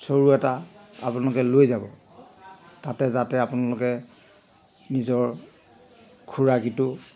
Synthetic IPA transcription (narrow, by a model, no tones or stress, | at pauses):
soɹuɛtaa̰pʊnalʊkɛlojzabɔ | tatɛzatɛapʊnalʊkɛ | nizɔɹ | kʰuɹakitʊ